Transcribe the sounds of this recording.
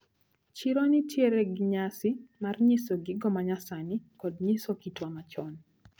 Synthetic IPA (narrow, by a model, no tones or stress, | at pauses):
t͡ʃiɾonɪtjeɾɛɡɪɲasɪmarɲɪsoɡɪɡɔmaɲasanɪkɔdɲɪsokitwamat͡ʃɔn